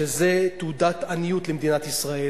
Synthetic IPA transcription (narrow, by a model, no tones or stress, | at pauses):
ezet̪ud̪at̪anijut̪lemd̪inat̪isʁae